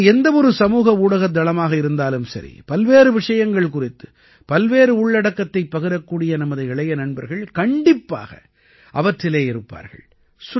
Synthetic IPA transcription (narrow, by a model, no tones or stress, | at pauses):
ɛnd̪ɐɔɾɯsɐmuːɣɐuːɽɐɣɐd̪ɐlɐmaːɣɐɪɾɯnd̪aːlɯmsɐ̰ɾḭpɐlʋeːɾɯʋɪʂɐjɐŋɡɐɭkʊrɪt̪ːɯ̥ | pɐlʋeːɾɯʊɭːɐɽɐkːɐt̪ːɐɪpːɐɣɪɾɐkːuːɽɪjɐnɐmɐðɯɛɭɐjɐnɐɳbɐɾɣɐɭkɐɳɖɪpːa̰ːɣɐ̰ | ʔɐʋɐʈʈːɪleːɪɾɯpːa̰ːɾɣɐ̰ɭ | sʊ